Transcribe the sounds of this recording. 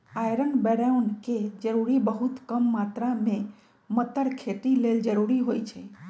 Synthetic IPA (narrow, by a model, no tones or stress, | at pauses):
ajɾənbeɾaunked͡ʒəɾuɾibəɦut̪kəmːat̪ɾamẽ | mət̪əɽkʰet̪ileld͡ʒəɾuɾiɦojt͡ʃʰe